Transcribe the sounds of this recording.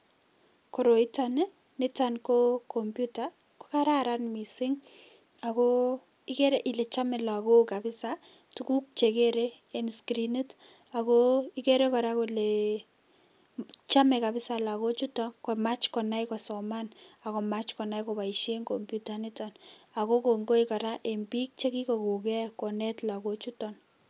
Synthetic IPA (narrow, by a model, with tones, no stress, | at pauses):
ko˨ɾo˨i˦tane˦ | nɪ˦tankokʰompjuta | ko̥˦kaɾa˦ɾanmi˨sɪ˦ŋ | a˨ko | ike˦ɾɛʔɪ˨le˨t͡ʃa˦mɛla˨ko˦ka˨bɪ˦sa | tu˦ku˦k̚t͡ʃe˨keɾeː˦nskɾini˦t | a˨koi˦ke˦ɾe˦kɔɾa˦kole | t͡ʃa˦mɛ˨kabɪ˦salako˦t͡ʃutɔnkomat͡ʃkɔnajkɔsɔmana˨ko˨mat͡ʃkɔ˨na˦jkɔ˨pa˨iʃe˦ŋkompjutanitɔna˨kokoŋɡo˦ika˨ɾaʔembi˦k̚t͡ʃe˦ki˦koko˨kɛkɔ˨nɛtla˨ko˦t͡ʃutɔn